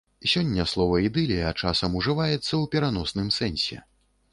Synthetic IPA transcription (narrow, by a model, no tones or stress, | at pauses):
sʲɔnʲːɐslˠɔvɐid̪ɨlʲijɐt͡ʂasɐmuʐɨvajɛt̪sːɐwpʲɛɾanɔsnɨmsɛnʲsʲɛ̰